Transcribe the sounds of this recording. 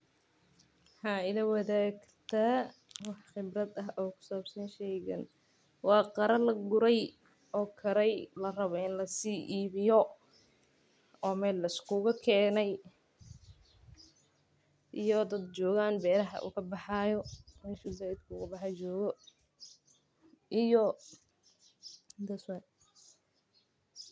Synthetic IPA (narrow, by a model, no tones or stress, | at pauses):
ħɑːɪlɐwɑðaːɡ | t̪ʰɐwɑħχɪbrɐd̪ɐɦɔːkʰʊ̥saːbsɐnʃɛːjɣɐ̰n | wɑːqɑɾɐlɐɡʊɾɛj | ɔːkʰɐɾɛjlɐrɐβɔɪnlɐsiːʔiːβɪjɔ | ɔːmɛːlːɐɪskʰʊɣɐkʰɛːnɛj | ʔijɔd̪ɐd̪t͡ʃɔːɣaːnbɛːɾɐɦɐ̰ʔʊ̰kʰɐbɑħɑːjɔʃʊzaɪd̪̚kʰʊːɣɐbɑħɑt͡ʃɔːɣɔ | ʔɪjɔ | d̪ɐswɛn